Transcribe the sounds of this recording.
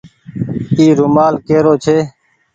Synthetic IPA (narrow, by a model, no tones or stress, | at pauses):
iːɾʊmaːlkeːɾoːt͡ʃʰeː